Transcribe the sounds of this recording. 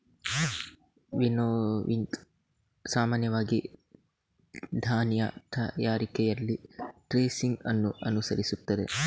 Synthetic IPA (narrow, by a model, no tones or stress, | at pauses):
ʋinoːʋiŋk | saːmaːnjɐʋaːɡi | d̪ʱaːnjɐ̰t̪ʰɐjaːɾikɛjɐlːiʈɾeːsiŋɡɐnːuɐnusɐɾisut̪ːɐd̪ḛ